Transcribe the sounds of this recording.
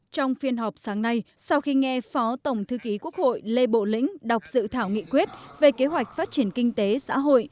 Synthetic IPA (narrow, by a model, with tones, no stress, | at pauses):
t͡ɕɔ˧wŋ͡mfi˧ənɦɔ˨˩wk͡p̚saː˨˦ŋna˧jsa˧wxi˧ŋɛ˧fɔ˨˦t̪ə˧˩wŋ͡mt̪ʰɨ˧ki˨˦ku˦˥ək̚ho̰˧˨jle˧ɓo̰˧˨lḭ̈˧˥ŋ̟ɗa˨˩wk͡p̚z̥ɨ̰˧˨t̪ʰaː˧˩wŋḭ˧˨kwi˦˥ət̚ve˨˩ke˨˦ɦwa˨˩jk̟̚faː˦˥t̚t͡ɕi˧˩ənkï˧ŋ̟t̪e˨˦sa̰ː˧˥ɦo̰˧˨j